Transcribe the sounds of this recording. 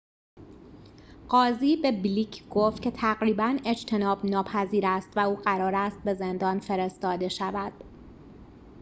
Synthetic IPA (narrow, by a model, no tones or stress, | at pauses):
ɢ̥ɒːziːbe̞bliːcʰɡ̥oft̪kcʰe̞t̪ʰæɡɾiːbæne̞d͡ʒt̪ʰe̞nɒːbnɒːpʰæziːɾæst̪væuːɢæɾɒːɾæst̪̚be̞ze̞nd̪ɒːnfe̞ɾe̞st̪ɒːd̪e̞ʃævæd̪̥